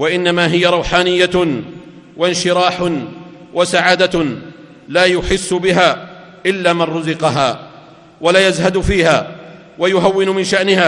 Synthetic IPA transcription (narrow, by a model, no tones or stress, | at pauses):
waʔɪnːamaːɦɪjaɾˤɑwħaːnɪjːa | wanʃɪɾˤaːħʊ | wʔasaʕaːd̪a | laːjʊħɪsːʊbɪɦaː | ʔɪlːaːmanɾʊzɪqɑɦaː | walaːjazɦad̪fiːhaː | wajʊɦawːɪnʊmɪnʃaʔnɪhaː